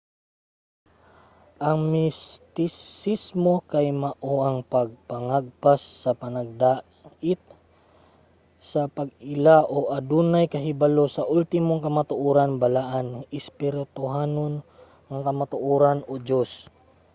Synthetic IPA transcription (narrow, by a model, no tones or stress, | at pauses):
ʔɐŋmɪst̪ɪsismo̞kajmɐʔoʔɐŋpɐɡ̚pɐŋaɡ̚pasːɐpɐnɐɡ̚d̪a | ʔɪt̪̚ | sɐpɐɡɪlaʔo̞ʔɐd̪unajkɐɦɪbalo̞sɐʔult̪ɪmoŋkɐmat̪ʊʔoːɾanbalaʔanɪspɪɾɪt̪ʊɦaːno̞n | ŋɐŋkɐmat̪ʊʔoːɾanod͡ʒos